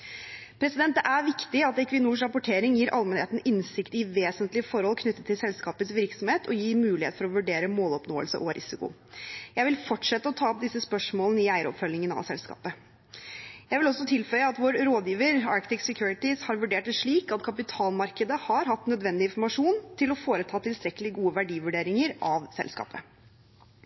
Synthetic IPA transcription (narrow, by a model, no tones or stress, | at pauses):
pʰɾɛsɪd̪ɛnt̪d̪ɛʔæɾʋɪkt̪ɪɑt̪ɛkʋɪnuːʂɾɑpʊʈʰeːɾɪŋjiːɾʔɑlmɛnheːt̪n̩ɪnsɪkt̪ɪʋeːsənt̪lɪəfɔɾhɔlkʰnʏt̪ːət̪ʰːɪlsɛlskɑːpət̪sʋɪɾksɔmheːt̪ʰɔjiːmʉːlɪhḛːt̪fɔɾɔʋʉɖeːɾəmoːlɔpnoːəlsə̰ʔɔɾʔɪ̰sɪkʊ̰ | jæɪʋɪlfɔʈʂɛt̪ːəɔt̪ʰɑːɔp̚d̪ɪsːəspœʂmoːlənəɪæɪɾɔ̰pfœlːɪŋənɑ̰ʋsɛlskɑ̰ːpə | jæɪʋɪlɔsːɔt̪ʰɪlfœʏəɑt̪ʋoːɾɾoːd̪jiːʋəɾɑ̰ɾkt̪ɪksɛkʰjuːɾɪt̪ɪshɑɾʋʉɖeːʈ̚ʂɭiːkɑt̪kʰɑpɪt̪ʰɑːlmɑɾkəd̪əhɑɾɦɑt̪ːnœd̪ʋɛnd̪ɪnfɔɾmɑʂuːnt̪ʰɪlɔfoːɾət̪ʰɑːt̪ʰɪlst̪ɾɛkːəlɪɡuːəʋæɖiːʋʉɖeːɾɪŋəɾʔɑʋsɛ̰lskɑ̰ːpə